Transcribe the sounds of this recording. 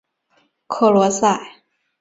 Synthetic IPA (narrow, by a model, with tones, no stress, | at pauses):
kʰɤ˥˩lwɔ˧˥sa˥˩ɪ